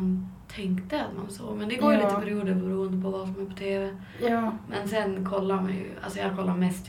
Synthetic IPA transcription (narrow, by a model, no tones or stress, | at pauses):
nt̪ʰɛŋkt̪əat̪ma̰nso̰ːɡmɛnd̪ɛɡoːj̪it̪əpʰæɾɪuːd̪əɾbɛɾuːənd̪əpʰɔvalsɔmæɾpʰɔ̥t̪ʰeːvɛ | mɛnsɛnkʰɔlːaɾmɛ̰j̰ʔa̰lsɔjɑːkʰɔlːaɾmɛst̪